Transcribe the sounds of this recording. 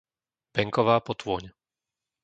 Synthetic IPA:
b̥ɛŋkɔʋaːpɔt̪ʋʊɔɲ

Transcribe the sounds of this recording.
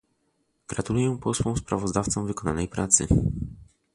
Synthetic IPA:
ɡ̥ɾat̪ulujɛ̃pɔswɔ̃w̃spɾavɔzd̪aft̪sɔ̃w̃vɘkɔna̰nɛjpɾat̪sɘ̰

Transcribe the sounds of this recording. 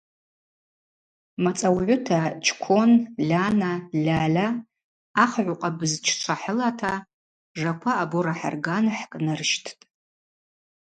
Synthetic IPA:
mat͡sʼawʕʷʊtʰat͡ʃʰʼkʷʰo̞nlʲanalʲaːlaː | χʕʷʊqʼabɨzt͡ʃʰt͡ʃʷʰaħəlatʰa | ʐakʷʰaːboɾaħa̰rɡanħkʼnɨrʃtʰtʼ

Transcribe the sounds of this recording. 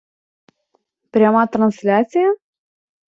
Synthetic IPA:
pɾʲamat̪ɾansʲlʲat̪sija

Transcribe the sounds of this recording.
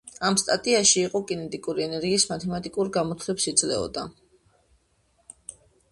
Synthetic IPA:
amst̪ʼat̪ʼiaʃiːqʼɔkʼinɛt̪ʼikʼuɾiɛnɛɾɡiːsmat̪ʰɛmat̪ʼikʼuɾɡamɔt̪ʰlɛpsid̪zlɛ̰ɔ̰d̪a

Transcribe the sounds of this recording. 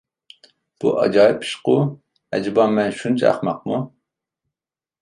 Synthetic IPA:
b̥ṵʔɑ̰d͡ʒɑːipʰːi̥ʃqʊ | ɛ̰d͡ʒɪbɑmmːɛnʃunt͡ʃʰɑ̰χmɑq̚mu

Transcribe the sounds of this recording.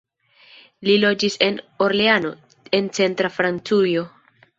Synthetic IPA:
lilo̞d͡ʒise̞no̞ɾleano̞ | e̞nt͡se̞ntɾafɾant͡sujo̞

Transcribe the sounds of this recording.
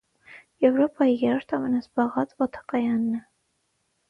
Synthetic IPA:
jɛvɾɔpɑjijɛɾɔɾt̪ʰɑmɛnɑzbɑʁɑt͡svɔt̪ʰɑ̥kɑjɑnːɛ

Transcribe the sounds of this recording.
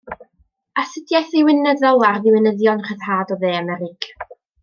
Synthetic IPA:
asɪdjajθiwɪnəðɔlˠarðɪwɪnəðjɔnχəð̥haːdɔðeːamɛɾɪɡ̥

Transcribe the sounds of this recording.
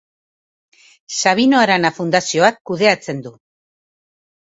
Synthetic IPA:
saβ̞ino̞aɾanafund̪asio̞akːuðe̞at͡se̞nd̪u

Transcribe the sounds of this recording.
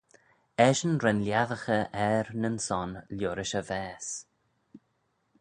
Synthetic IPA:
ɛʃənɾɛnljaðəxəʔɛɾnənsɔnljoːɾɪʃəvɛːs

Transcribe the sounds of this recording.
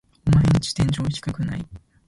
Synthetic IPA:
omaeɲ̟it͡ɕi̥t̪ẽɲd͡ʑoːçʲi̥kakɯ̟na̰i

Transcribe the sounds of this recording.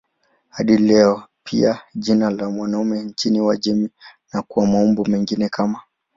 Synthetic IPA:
haɗilɛɔpʰiaʄinalamwanaumɛɲt͡ʃiniwaʄɛminakuwamaumbumɛŋɡinɛkama

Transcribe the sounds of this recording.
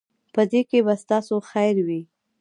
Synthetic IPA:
pəd̪ekebast̪ɑsoxajɾwi

